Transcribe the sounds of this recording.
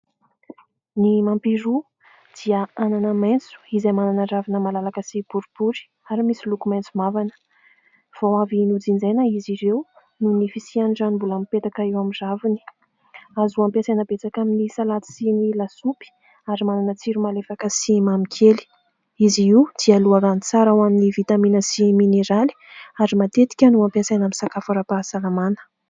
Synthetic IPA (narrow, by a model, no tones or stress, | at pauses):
nimampiɾu | d̪̥iəananəmajnt͡su̥izamananəravinəmalalakəsib̥uɾub̥uɾi̥ | aɾimisilukumajnt͡sumavanə̥ | v̥owavinud͡zind͡zejnaiziɾew | nunifisianɖ͡ʐanimbulampet̪akaewamizavini̥ | azuampasajnəbet͡sakaminisalat͡s̪i̥sinilasupi̥ | aɾimananət͡siɾumalefakəsimamikʰeli̥ | iziid̪̥ialuaɾanit͡saɾawaminivit̪aminəsimineɾali̥aɾimat̪et̪i̥kʲanuampiasajnamisakafaɾapasalamanə̥